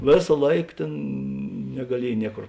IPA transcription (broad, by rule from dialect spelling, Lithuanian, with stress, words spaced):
ˈʋʲeːsɐ ˈlˠɐɪk ˈtʲeːn nʲɛɡɐˈlʲiɛj ˈnʲiɛkoːr